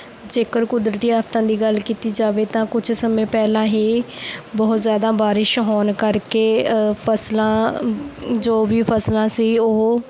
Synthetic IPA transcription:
d͡ʒeːkəɾkʊd̪ɾt̪iːaːpt̪ãːd̪iːɡəlkiːt̪iːd͡ʒaːʋeːt̪ãːkʊd͡ʒʰsəmẽːpɛːlãːɦiːbɔːʊt̪zjaːd̪ãːbaːɾɪʃɦɔːnkəɾkeːpʰəslãː | d͡ʒoːbiːpʰəslãːsiːoː

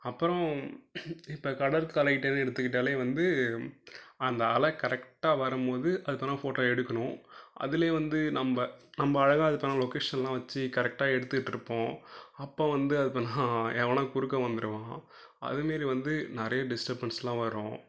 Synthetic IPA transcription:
ɐpːɯɾɔ̃ | ɪpːoːkɐɽɐɾkɐlɐkɪʈːeːnːɯɛɽɯt̪ːɯkːɪʈ̬ːaːleːʋɐnd̪ɯ | ɐnd̪ɐːlɐkɐɾɛkʈːaːʋɐɾɯmpoːðɯʔɐðɯpːɐːnːaːfoːʈːoːɛɽɯkːɐɳʊ̃ʔɐ̰ðɪleːʋɐnd̪ɯnɐmbɐnɐmbɐːɻɐɣaːɐðɯpːɐːnaːlɔkeːʂɐnlãːʋɐt͡ʃːɯkɐɾɛk̚ʈaːɛɽɯt̪ːɯkɪʈːɪɾɯpːõːɐpːoːʋɐnd̪ɯɐðɯpːɐːnːaːɛʋɐnaːkʊɾɯkːɐʋɐnd̪ɯɾɯʋãː | ɐ̰ðɯmeːɾiʋɐnd̪ɯnɪɾɐjɐɖɪsʈɐɾbɐnslãːʋɐɾõ̰ː

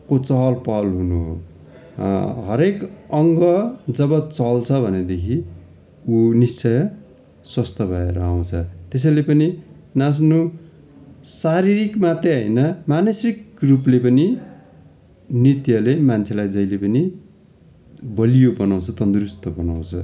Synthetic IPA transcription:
kot͡sʌɦlpʌlɦunuɦo̰ | ɦʌɾekʌŋɡʌd͡zʌbʌt͡sʌlt͡sʰʌbʱʌned̪ekʰi | unist͡sʌjʌ | swʌst̪ʌbʱaeɾʌaw̃t͡sʰʌt̪es̬ʌjlepʌni | nas̬no | saɾiɾikmat̪eʌjnʌmanʌsikruplepʌni | nit̪jʌlemant͡sʰelajd͡zʌjlepʌni | bʌlijobʌnaw̃t͡sʰʌt̪ʌnd̪rust̪ʌbʌnaw̃t͡sʰʌ̰

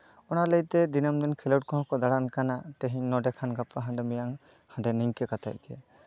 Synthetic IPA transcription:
ɔnalet̪ɛd̪inamd̪ɛnkʰɛlɔwt̚kɔɦɔ̃kɔd̪aɽankanat̪eɦiɲnɔɖɛkʰanɡap̚kaɦãɳɖɛmijaŋ | hãɳɖɛniŋkɛkat̪ʰa̰j̚kɛ

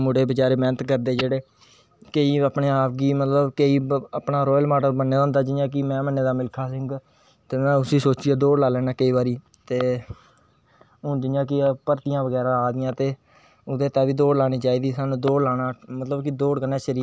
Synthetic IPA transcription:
mʊɽeːbət͡ʃaːɾeːmɛːnət̪kəɾd̪eːd͡ʒeːɽeː | kəiːapɳeːaːpɡiːmət̪ləbkeiːapnaːɾɔːjlmaːɖəɾbənːeːd̪ãɦʊ̃ːnd̪aːd͡ʒɪːjãːk̬ɪmɛ̃ːmənːeːd̪aːmɪlkʰaːsɪ̃ŋɡ | t̪eːmɛ̃ːʊsĩːsoːt͡ʃiːaːd̪oːɽlaːlɛːnaːkəiːbaːɾiː | t̪eː | ɦʊ̃ːd͡ʒɪːjãːk̬ɪpəɾt̪ɪjãːʋəɡɛːɾãːaːd̪ɪjãːt̪eː | ʊd̪eːt̪ãːʋiːd̪oːɽlaːɽ̃iːt͡ʃaːiːd̪iːsaːnũːd̪oːɽlaːnaːmət̪ləbkɪd̪oːɽkənaːʃɾiː

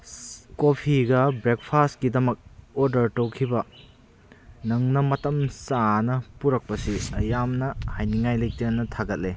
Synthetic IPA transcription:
kopʰiɡɐbɾek̚pʰastkidɐmɐk̚oɾdɐɾtowkʰibɐ | nɐŋnɐmɐtɐmsanɐpuɾɐk̚pɐsiɐjamnɐhajniŋajlejk̚tenɐtʰaɡɐt̚le

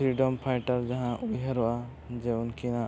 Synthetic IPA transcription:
ɾiɖɔmpʰajʈaɾd͡ʒaɦãʔujɦɛɾɔʔa | d͡ʒɛunkina

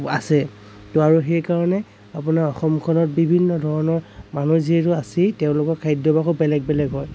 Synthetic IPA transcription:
asɛ | tʊaɹuxɛjkaɹɔnɛ | apʊnaɹɔxɔmkʰɔnɔt̚bibʱinːɔdʱɔɹɔnɔɹmanuziɛtʊasiteʊ̃lʊkɔkʰajdɔbakobɛlɛɡ̚bɛlɛɡɦɔj

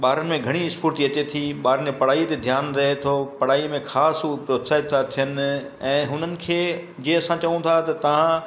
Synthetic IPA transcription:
ɓaːɾənɪ̆mẽɡʱɐɽ̃iɪspʰuɾt̪iɐt͡ɕet̪ʰiɓaːɾənẽpɐɽ̤aːit̪ed̪ʱjaːnɾɐɦet̪ʰopɐɽ̤aːimẽxʰaːspɾoːt̪saːɪt̪ːat̪ʰijənɪ̆ | ɛ̃ːɦʊnənɪ̆kʰeː | d͡ʑeːɐsãt͡ɕɐʋũt̪ʰaɦt̪ɐt̪ɐʋ̤ã

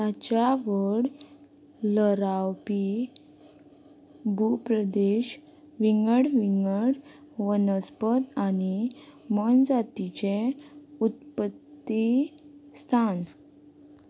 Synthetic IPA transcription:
t̪at͡ɕjaʋəɽ | ləɾawpi | bʱupɾəd̪eɕ | ʋiŋɡəɽʋiŋɡəɽʋənəspət̪animənd͡zat̪it͡ɕeut̪̚pət̪ːist̪ʰan

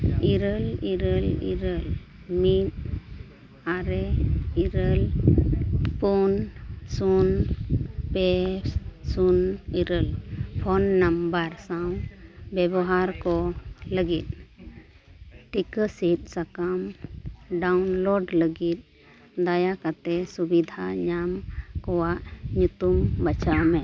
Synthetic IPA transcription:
iɾəliɾəlḭɾəl | mit̪̚ | aɾɛiɾəl | punsun | pɛssuniɾəlpʰɔnːambəɾsawbjɛbɔɦaɾkɔləɡit̪̚ | ʈikəsit̪̚ˀsakam | ɖawnlɔɖləɡit̪̚ | d̪ajakat̪ɛsubid̪ʱaɲamkɔwaʔɲut̪umbət͡ʃamɛ

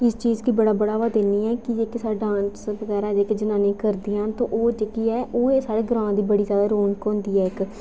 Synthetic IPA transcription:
ɪst͡ʃiːzkiːbəɽaːbəɽaːʋaːd̪eːniːɛːkɪd͡ʒeːkesaːɖãːnsbəɡɛːɾaːd͡ʒeːkeːd͡ʒənãːnĩːkəɾd̪iːãːnt̪õ̰ːʔoːd͡ʒeːkiːɛːʔoːeːsaːɽeːɡɾãːd̪iːbəɽiːzjaːd̪aːɾoːɳkõːnd̪iːɛːɪk

